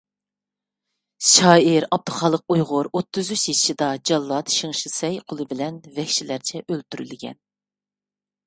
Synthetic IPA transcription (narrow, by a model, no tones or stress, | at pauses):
ʃɑːɪɾɑb̚t̪ɨχɑːlˠːəq̚ujʁʊɾot̪ːɨzyt͡ʃjiʃid̪ɑd͡ʒɑlˠːɑt̪ʃiŋʃisɛjqʰolˠɨbɪlɛnvɛkʲʃilæɾt͡ʃʰɛʔølt̪ʰyɾy̰lɡʲɛ̰n